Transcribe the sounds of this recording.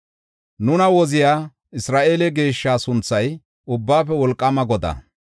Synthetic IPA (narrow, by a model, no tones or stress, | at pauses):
nʊnɐwɔzɪjaː | ɪsɾaːʔe̞ːlɛɡe̞ːʃːaːsʊnt͡sːɐj | ʊbːaːfɛwɔlkʼːɐmɐɡɔd̪ɐ̰